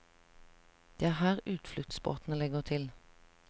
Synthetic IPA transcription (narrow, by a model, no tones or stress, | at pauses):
d̪̥eːæːʁhæːʁʉːt̪flʏt̪sbo̰ːt̪n̩əlɛɡəʁt̪ʰɪl